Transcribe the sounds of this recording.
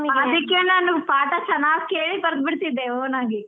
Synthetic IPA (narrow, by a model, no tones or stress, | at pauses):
ɐd̪ikːeːnanupaːʈɐt͡ʃɐnaːskeːɭipɐɾd̪̚biɽt̪id̪ːeoːnaːɡi